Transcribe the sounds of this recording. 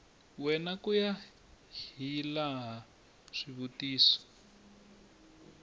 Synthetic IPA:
wɛnakuja | hilaɦa | ʂiβutiːsɔ̥

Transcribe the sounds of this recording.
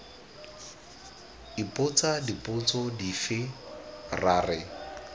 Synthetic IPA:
ipʼʊt͡sadipʼʊt͡sʼɔdifɪ | raːrɪ

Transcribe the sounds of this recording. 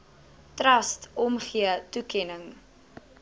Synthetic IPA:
trɐstɔmχiətukɛnəŋ

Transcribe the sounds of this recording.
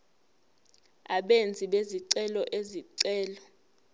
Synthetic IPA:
aɓend͡zʱiɓeziǀɛlɔʔeziǀɛːlɔ

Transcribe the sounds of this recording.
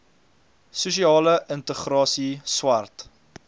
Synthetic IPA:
susiɑːləʔəntəχrɑːsiswɐrt

